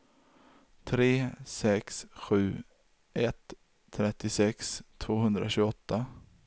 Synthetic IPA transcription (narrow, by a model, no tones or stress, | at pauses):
t̪ʰɾeːsɛksɧʉ̟ː | ʔɛt̪ʰː | ɾɛt̪ːɪsɛkst̪ʰvoːhɵnd̪ɾa̰ɕʉːɡɔt̪ːa